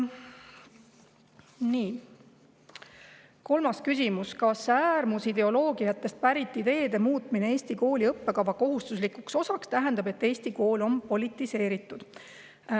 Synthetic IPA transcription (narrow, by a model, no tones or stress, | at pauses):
niː | ko̞lmɑskysʲimuskɑsæːɾmusid̪e̞o̞lo̞ːɡ̥ijɑt̪ːe̞st̪̚pæɾit̪ˑːid̪e̞ːd̪̥e̞muːt̪ˑmineeːsʲt̪iko̞ːlʲiɤpːe̞kɑvɑko̞ɦust̪uslikukso̞sɑkst̪æɦe̞nd̪̥ɑbe̞t̪ːe̞ːsʲt̪iko̞ːlo̞mpo̞lʲit̪ːˑise̞ːɾit̪ːˑud̪̥